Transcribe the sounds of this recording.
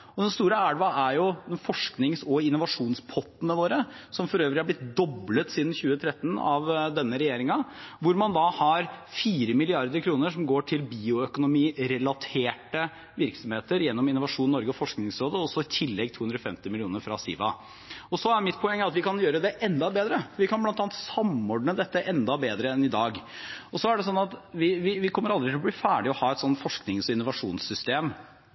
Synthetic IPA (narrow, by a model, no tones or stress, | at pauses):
ɔd̪ɛnst̪uːɾəæːɽʋɑʔæɾjʊd̪ɛnfɔʂknɪŋsɔɪnːʊʋɑʂuːnspʰɔt̪ːnəʋoːɾəsɔmfɔɾøːʋɾɪhɑɾblɪt̪̚d̪ɔblət̪siːd̪n̩çʉːət̪ʰɾɛt̪ːən̩ɑʋd̪ɛnːəɾɛjeːɾɪŋɑʋʊɾmɑnd̪ɑhɑɾfiːɾəmɪlɪɑɾd̪əɾkʰɾuːnəʂɔmɡoːʈʰɪlbiːʊœkʊnʊmiːɾɛlɑt̪ʰeːʈə | ʋɪɾksɔmheːt̪əɾjɛnːɔmɪnːʊʋɑʂuːnnːɔɾɡəɔfɔʂknɪŋsɾoːd̪əɔsɔɪt̪ʰɪlːɛɡ̚t̪ʰuːʉnd̪ɾɔfɛmt̪ɪmɪlɪuːnəɾfɾɑ̰sḭːʋɑ̰ | ɔsɔæɾmɪt̪̚pʰɔɛŋːəɾɑt̪ʋɪkɑnjøːɾəd̪ɛʔɛnd̪ɑbeːd̪ɾəfɔʋɪkɑnblɑnt̪ɑːnt̪sɑmɔɖɳəd̪ɛt̪ːəʔɛnd̪ɑbeːd̪ɾəɛnɪd̪ɑːɡ | ɔsɔæɖɛsɔnːɑt̪ʋɪʋɪʋɪkʰɔmːəɾɑld̪ɾɪt̪ʰɪlɔb̪liːfæːɖɪɔhɑːɛt̪sɔnt̪fɔʂknɪŋsɔɪnːʊʋɑʂuːnsʏst̪eːm